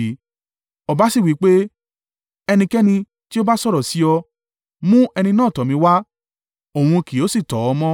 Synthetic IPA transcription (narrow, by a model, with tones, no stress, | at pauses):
ɔ˨ba˨˦si˦˨wi˨˦k͡pe˦ | ɛ˧nĩ˧kɛ˦nĩ˧ | ti˦o˦ba˦sɔ˦˨ɾɔ˨si˨˦ɔ˧ | mũ˦ɛ˧nĩ˧nãː˦˨tɔ˨mĩ˧˦wa˦ | õ˨ũ˧ki˨o˨˦si˦˨tɔ˨˦ɔ˧mɔ̃˦